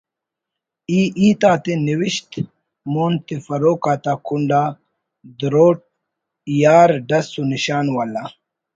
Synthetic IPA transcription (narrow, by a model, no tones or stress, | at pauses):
iːʔiːt̪aːt̪eniwiɕt̪ | moːnt̪ifɐɾoːkaːt̪aːkuɳɖaː | d̪ɾoːʈ̚ | jaːɾɖɐsuniɕaːnwala